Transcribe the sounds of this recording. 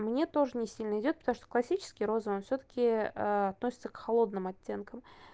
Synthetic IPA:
mnʲe̞t̪o̞ʐɨnʲɪsʲilʲnəɪdʲo̞t̪̚pət̪ɐmuʂt̪o̥klˠɐsʲit͡ɕɪ̥skʲɪjɾo̞zəvonfsʲot̪ə̥kʲɪɐt̪nosʲɪ̥t̪səkxɐlˠo̞d̪̚nɨmɐtʲːe̞nkəm

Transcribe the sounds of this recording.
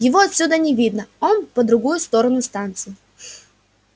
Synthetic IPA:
jɪvoɐt̪sʲud̪ənʲɪvʲid̪nəo̞npəd̪ɾʊɡujʊst̪o̞ɾənʊst̪ant̪sɨɪ

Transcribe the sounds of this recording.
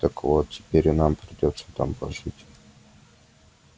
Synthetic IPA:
t̪əkvot̪̚tʲɪ̥pʲeɾʲʊnampɾʲɪdʲo̞t̪sə̥t̪a̰mpɐʐɨtʲ

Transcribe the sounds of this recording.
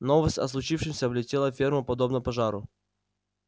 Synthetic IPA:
novəsʲtʲɐ̰slˠʊt͡ɕifʂɨmsʲəvlʲɪtʲelˠəfʲerməpɐd̪obnəpɐʐaɾʊ̰

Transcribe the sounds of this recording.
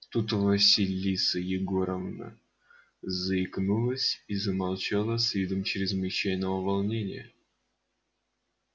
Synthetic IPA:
t̪ut̪vɐsʲilʲːisəjɪɡoɾəvnə̰ | zəɪknulˠəsʲizəmalˠt͡ɕalˠəsʲvʲid̪əmt͡ɕɾʲɪzmɨt͡ɕæjnəvəvɐlˠnʲenʲɪ̰jə

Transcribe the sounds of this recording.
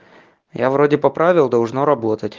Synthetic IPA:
ja̰vɾodʲɪpɐpɾavʲɪlˠd̪ɐlˠʐnoɾɐbot̪ətʲ

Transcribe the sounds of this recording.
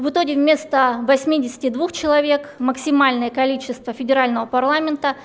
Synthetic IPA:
vɨt̪oɡʲɪvmʲe̞st̪əvɐsʲmʲidʲɪsʲɪ̥tʲɪd̪vuxt͡ɕɪlˠɐvʲe̞kməksʲɪmalʲnəjəkɐlʲit͡ɕːɪst̪vəfʲɪdʲɪɾalʲnəvəpɐrlˠamʲɪnt̪ə

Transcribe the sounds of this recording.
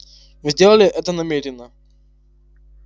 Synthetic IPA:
vɨzʲdʲelˠəlʲɪʔɛt̪ənɐmʲeɾʲɪnːə

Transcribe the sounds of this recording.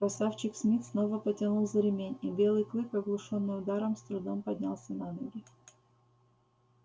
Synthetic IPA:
pɐsaft͡ɕɪksmʲit̪sno̞vəpətʲɪnulˠzɐɾʲɪmʲenʲibʲe̞lˠɨjklˠɨkɐɡlˠʊʂonːɨjʊd̪aɾəmst̪ɾʊd̪ompɐdʲnʲa̰lˠsʲɐnanuɾʲɪ

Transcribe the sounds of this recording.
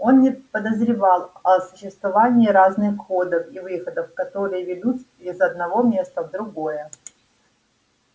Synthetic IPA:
o̞nnʲɪpəd̪əzɾʲɪvɑlˠɐsʊɕːɪst̪vɐvanʲɪːɾaznɨxko̞d̪əfivɨxəd̪əfkɐt̪o̞ɾɨjəvʲɪlut̪ | bʲɪzɐd̪̚nɐvo̞mʲest̪əvd̪ɾʊɡo̞jə

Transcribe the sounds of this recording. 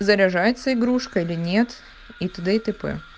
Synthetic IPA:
zɐɾʲɐʐajɪt̪səɪɡɾuʂkəilʲɪnʲet̪ | it̪ɨd̪ɛt̪ɨpɛ̰

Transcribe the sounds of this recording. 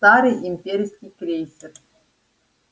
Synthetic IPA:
t̪ɑɾɨjimʲpʲeɾʲisʲkʲijkrʲejsʲɘr

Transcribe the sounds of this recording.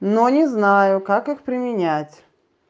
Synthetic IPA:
nonʲɪznajʊkakɨxpɾʲɪmʲɪnʲætʲ

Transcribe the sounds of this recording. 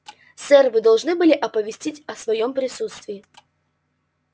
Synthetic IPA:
sɛrvɨd̪ɐlˠʐnɨbɨlʲɪʔɐpəvʲɪsʲtʲitʲɐsvɐjompɾʲɪsut̪st̪vʲɪɪ

